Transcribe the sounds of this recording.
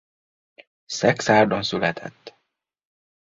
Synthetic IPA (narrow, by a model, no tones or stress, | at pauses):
sɛksaːrd̪onsylɛt̪ʰɛ̰t̪ː